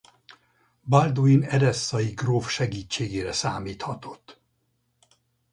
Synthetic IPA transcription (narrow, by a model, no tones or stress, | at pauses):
bald̪oinɛdɛsːɒjiɡroːfʃɛɡiːt͡ʃːeːɡeːɾɛsaːmiːt̪hɒt̪o̞̥t̪ː